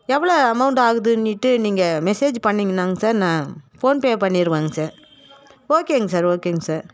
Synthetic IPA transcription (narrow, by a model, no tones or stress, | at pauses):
ɛʋːɐɭoːɐmɐʊɳʈaːɣɯðɯnːɪʈːɯniːŋɡɐmɛseːd͡ʒpɐɳːiŋɡɐnːaːŋɡɐsaːɾnãːfoːnpeːpɐɳːɪɾɯʋaːŋɡɐsaːɾ | oːkeːŋɡɐsaːɾoːkeːŋɡɐsaːɾ